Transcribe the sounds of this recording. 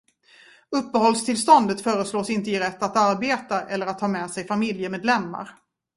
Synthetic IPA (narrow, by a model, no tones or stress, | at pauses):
ɵpːəhɔlst̪ʰɪlst̪ɔnd̪ət̪fœːɾəsloːsɪnt̪əɪɾɛt̪ːat̪aɾbeːt̪aʔɛlːəɾat̪ʰːɑːmɛːsɛjfamɪljəmeːd̪lɛmːa̰ɾ